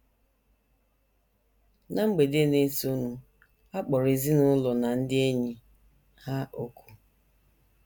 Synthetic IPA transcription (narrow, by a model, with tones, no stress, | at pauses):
na˨ŋ͡m̩˦ɡ͡be˨de˦ne˦si˨˦o˦nu˨ | a˦k͡pɔ˨ɾi˨zi˦nʊ˦lɔ˨na˨n̩˦dɪ˦e˦ɲi˨ | ha˦ʔo˦ku̥˨